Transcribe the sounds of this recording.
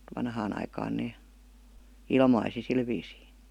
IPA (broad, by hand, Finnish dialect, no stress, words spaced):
ʋɑnhɑːn ɑikɑːn neː ilmɑisi sil ʋiːsiː